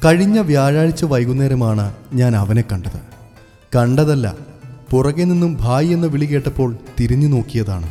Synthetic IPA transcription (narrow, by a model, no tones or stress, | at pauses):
kɐɻiɲːɐʋjaːɻaːɻit͡ɕːɨʋɐjɣunːeːɾɐmaːɳɨɲaːnɐʋɐne̞kːɐɳɖɐðɨ̰ | kɐɳɖɐðɐlːɐ̰purɐɣeninːumbʱaːjie̞nːɨʋiɭike̞ːʈːɐpːo̞ːɭt̪iɾiɲːuno̞ːkːijɐða̰ːɳɨ̰